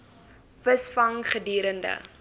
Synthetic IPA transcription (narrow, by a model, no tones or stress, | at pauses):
vəsfɐŋχədiːɾəndə̰